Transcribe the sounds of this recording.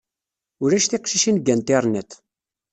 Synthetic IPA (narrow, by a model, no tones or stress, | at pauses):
ʊɾæʃθiqʃiʃinɡænt̪eɾˤnæt̪